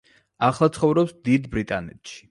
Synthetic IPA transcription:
aχlˠat̪sʰχɔvɾɔpsd̪id̪bɾit̪ʼanɛ̰t̪ʃi̥

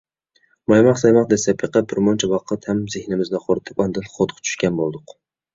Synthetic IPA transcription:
mɑjmɑqsɑjmɑq̚d̪esɛpʰeqɑbɪɾmɔnt͡ʃʰɛwɑqʰət̪hæmzɪhnɪmɪzd̪ɛqʰoɾɨt̪ʰɪ̥pɑnd̪ɨlˠχot̪qʰt͡ʃʰy̥ʃkʲɛnbolˠd̪ʊq

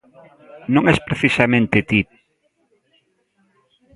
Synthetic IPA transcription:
nõŋɛspɾeθisamẽnt̪ɪt̪ip

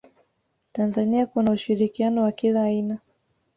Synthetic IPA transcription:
tanzaniakunauʃiɾikianɔwakilaːina

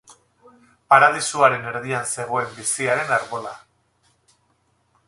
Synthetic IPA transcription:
paɾað̞isuaɾe̞ne̞ɾðianse̞ɣ̞o̞e̞mbisiaɾe̞naɾβo̞la

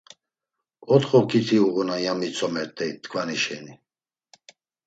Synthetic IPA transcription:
ɔt̪χɔkʰit̪ʰiuʁunajamit͡sʰʼɔmɛɾt̪ʼɛjt̪ːkʰvaniʃɛni

